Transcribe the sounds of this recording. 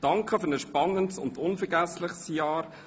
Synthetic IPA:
d̥ɑŋkχəfʏɾnəsʃpɑnːəntsʊ̰ndʊnfəɾɡæslɪχsjɑːɾ

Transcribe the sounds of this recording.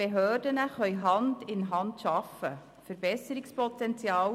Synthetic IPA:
eɦøːdənəχœʏɦɑndɪnɦɑndʃɑfə̰ | fəɾbɛsəɾɪkspʰɔt̪ɛntt͡sjɑːw

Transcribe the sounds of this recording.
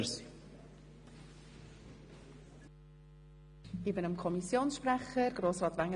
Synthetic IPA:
si | ɪbənəmkʰɔmisjoːnsʃprɛχəɾɡ̥ɾoːsʁɑːt̪vaŋːə

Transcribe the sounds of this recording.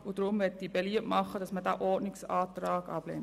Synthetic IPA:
ud̥ɾʊmʋɛtdib̥eliəʔmɑχːədɑsmədæːʔɔrdnɪksɑːt̪rɑːɡɑb̥lɛ̰n

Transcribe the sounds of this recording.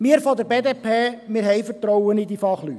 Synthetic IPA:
mɪːəɾfɔd̪əɾbeːd̪eːpʰeːmɪːɾɦɛjfəɾtɾɔwənɪd̪ifɑχly̰t

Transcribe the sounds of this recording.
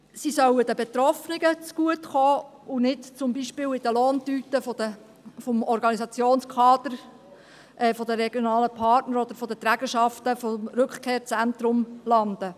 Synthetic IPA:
sisœwədəbɛt̪ɾɔfnɪɡət͡sɡ̥uətχoː | ʊnɪtt͡sʊmbiʃpɪːwɪd̥əloːntyːtəfodə | fɔmɔɾɡɑnisɑt͡sjoːnskʰɑːd̪əɾ | ʔɛfɔd̪əɾɛɡ̥jonɑːləpʰɑtnəɾɔd̪əɾfɔd̪ət̪ɾæɡ̥əʃɑft̪əfɔmɾɵkχkʰeːɾt͡sæntɾʊmlɑnd̥̪ə

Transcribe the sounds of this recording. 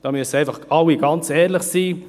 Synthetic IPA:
d̥ɑːmyəsəæɪfɑχawiɡ̥ɑnt͡sɛːɾlɪχsiː

